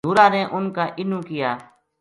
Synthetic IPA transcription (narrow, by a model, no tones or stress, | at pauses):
uːɾaːneːʔʊnkaːʔɪnũːkɪjaː